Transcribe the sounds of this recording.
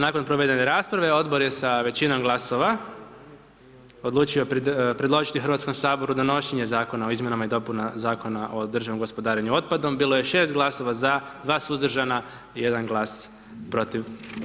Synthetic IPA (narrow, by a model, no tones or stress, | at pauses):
naːko̞npɾoʋe̞d̪e̞ne̞ɾaːspɾaʋeo̞d̪bo̞ɾje̞saʋe̞t͡ɕino̞mɡlˠaso̞ʋa | o̞d̪lˠuːt͡ʃiopɾed̪lo̞ʒit̪ixɾ̩ʋat̪sko̞msaːbo̞ɾud̪o̞no̞ʃeɲe̞zaːko̞nao̞izmje̞namaid̪o̞punazaːko̞naʔo̞d̪r̩ʒaʋnomɡo̞spod̪aːɾeɲuo̞t̪̚pad̪o̞mbiːlo̞je̞ʃe̞ːst̪̚ɡlˠaso̞ʋazad̪ʋaːsuzd̪rʒana | ije̞d̪anɡlˠaːs | pɾo̞t̪iʋ